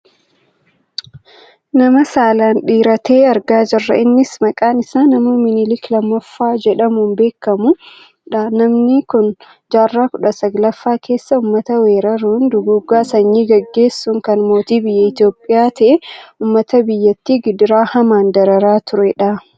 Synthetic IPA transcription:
nɐmɐsaːlaːnᶑiːɾɐt̪ʰe̞ːɐɾɡaːd͡ʒɪrːɐ̰ɪnːɪsmɐkʼaːnɪsaːnɐmumɪnɪlɪklɐmːɐfːaːd͡ʒɛᶑɐmunbe̞ːkːɐmʊ | ᶑɐnɐmnɪkʊn | d͡ʒaːrːaːkʊᶑɐsɐɡlɐfːaːkʰe̞ːsːɐʊmːɐt̪ɐweːɾɐɾuːnd̪ʊɡuɡːaːsɐɲːiːɡɐɡːe̞ːsːʊŋkɐnmo̞ːt̪iːbɪjːɛɪt̪jo̞ːpʼːɪjaːt̪ɐʔɛuːmːɐt̪ɐbɪjːɐt̪ːiːɡɪd̪ɪɾaːhɐmaːnd̪ɐɾɐɾaːt̪ʊɾɛᶑɐ

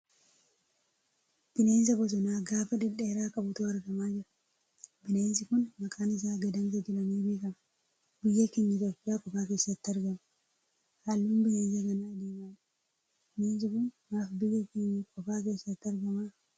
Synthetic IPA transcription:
b̥ɪleːns̬ɐbɔs̬ɔnaːɡaːfɐd̪ɪᶑːeːɾaːkʼɐbʊt̪uːɐɾɡɐmaːd͡ʒɪɾɐ̥ | bɪleːnsɪkʊnmɐkʼaːnɪs̬aːɡɐd̪ɐmsɐd͡ʒɪlɐmiːbe̞ːkʼɐmɐ | bɪjːɐkeɲːɐt̪ɔpʼːɪjaːkʼɔfaːke̞ːsːɐt̪ːɐɾɡɐmɐ | haːlːuːnbɪleːnsɐɡɐnad̪eːmaːd͡ʒɪɾ | b̥ɪleːns̬ɪkʊnnaːfbɪjːɐkeɲːɪkʼɔfaːke̞ːsːɐt̪ːɐɾɡɐmaː

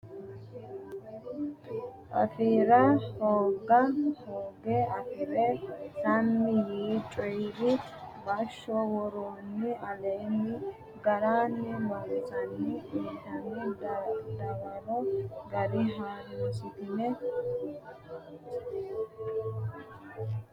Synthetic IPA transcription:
ʔɐ̰fiːɾɐhoːɡːɐhoːɡeɐfɪɾɛsɐmːɪjiːt͡ʃʼɔjɾɪ | bɐʃːɔwɔɾoːnːɪɐleːnːɪ | ɡɐɾaːnːɛmasɐnːɪiːt̪ɐnːɪd̪ɐɾt̪ɪd̪ɐwɐlɔɡɐd̪ɪɦaːnsɪt̪ɪnɛ

